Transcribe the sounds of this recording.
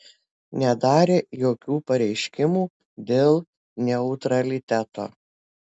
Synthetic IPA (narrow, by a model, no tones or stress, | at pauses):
nʲɛd̪ɑːɾʲeːjoːkʲuːpɐɾʲɛɪʃʲkʲɪmuː | d̪ʲeːlˠ | nʲɛʊt̪ɾɐlʲɪt̪ʲæt̪o̰ː